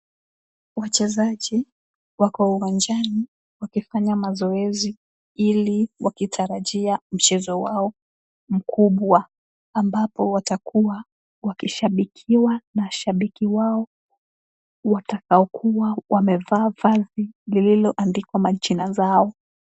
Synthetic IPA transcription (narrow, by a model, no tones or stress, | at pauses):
wat͡ʃɛzaʄi | wakɔuwand͡ʒani | wakifaɲamazɔɛzi | iliwʔakitʰaɾaʄiam̩t͡ʃɛzɔwaɔ | m̩kʰuɓwaː | mbapɔwatakʰuwa | wakiʃaɓikʰiwanaʃaɓikiwaɔ | watakaɔkʰuwawʔamɛvaːvazilililɔʔandikwamat͡ʃinazaɔ